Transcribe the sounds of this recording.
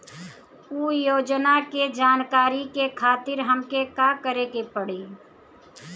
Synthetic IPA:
uːjoːd͡ʒnaked͡ʒaːnkaːɾikekʰaːt̪ɪɾɦəmkekakəɾeːɡepəɽiː

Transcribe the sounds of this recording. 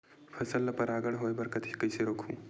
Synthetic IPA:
pʰɐsəlːɐpɐɾaːɡəɽɦoːjbɐɾkɐt̪ʰikɐjseɾoːkʰũː

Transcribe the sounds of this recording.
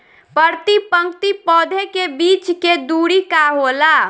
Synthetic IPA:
pəɾt̪ipə̃ŋkt̪ipɔd̪ʱekebit͡ʃked̪uɾikaɦola

